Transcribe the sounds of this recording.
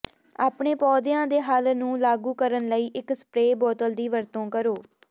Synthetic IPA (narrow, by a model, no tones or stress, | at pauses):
aːpɳeːpɔːd̪ɪjãːd̪eːɦəlnũːlaːɡuːkəɾənləiːʔɪksə̥pɾeːbɔːt̪əld̪iːʋəɾt̪õːkəɾoː